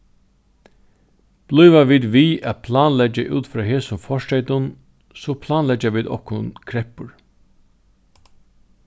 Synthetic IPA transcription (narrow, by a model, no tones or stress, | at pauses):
b̥lʏːʋaʋiːd̪ʋiːæpʰlaːnlɛd͡ʒaʔṵːt̪fɾɑːɦeːsʊmfɔʂʈɛɪt̪ʊn | sɔpʰlaːnlɛd͡ʒaʋiːd̪ɔ̰hkʊnkʰɾɛhpʊɹ